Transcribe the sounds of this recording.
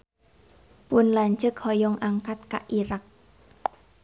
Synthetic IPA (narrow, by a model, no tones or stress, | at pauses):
pʊnlaɲt͡ʃəkhɔjɔŋʔaŋkat̪̚ka̰ʔiɾak̚